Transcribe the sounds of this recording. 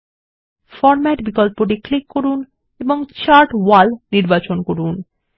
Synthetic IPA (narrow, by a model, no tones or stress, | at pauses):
fɔɾmɛʈbikɔlpoɖiklikːoɾun | eboŋt͡ɕaɾʈwalniɾbat͡ɕonkoɾun